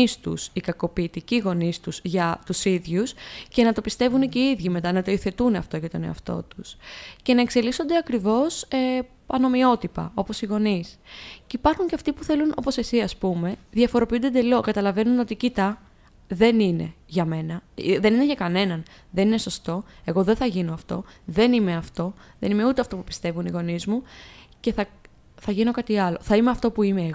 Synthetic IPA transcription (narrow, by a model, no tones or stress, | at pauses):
ist̪usikɐko̞piːt̪iciɣo̞nist̪uzʝɐt̪usiðʝusce̞nɐt̪o̞pist̪e̞vuneceiðʝime̞t̪ɐnɐt̪o̞iθe̞t̪unɐft̪o̞ʝɐt̪o̞ne̞̰ɐft̪o̞̰t̪usce̞nɐe̞kse̞liso̞nd̪e̞ɐkɾivo̞se | ɐno̞mio̞t̪ipɐ̰o̞po̞siɣo̞nisceipɐɾxuɲce̞ɐft̪ipuθe̞luno̞̰po̞se̞sisɐspume̞ðjɐfo̞ɾo̞piund̪ed̪e̞lo̞kɐt̪ɐlɐve̞nuno̞t̪icit̪ɐ | ðe̞nine̞̰ʝɐme̞nɐðe̞nineʝɐkɐne̞nɐnðenine̞so̞st̪o̞e̞ɣo̞ðe̞θɐʝino̞ɐft̪o̞̰ðe̞nime̞ɐft̪o̞ðe̞nime̞ut̪eɐft̪o̞pupi̥st̪e̞vuniɣo̞nizmuce̞θɐ | θɐʝino̞kɐt̪iɐlo̞θɐimeɐft̪o̞puimeːɣ